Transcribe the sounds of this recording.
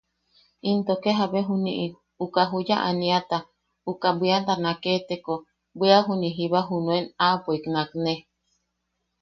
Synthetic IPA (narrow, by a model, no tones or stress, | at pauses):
int̪okeɦabeɦuniʔi | ukaɦujaʔaniat̪a | ukabiant̪anaket̪eko | biaɦuniɦiβaɦunuenapʷeknakne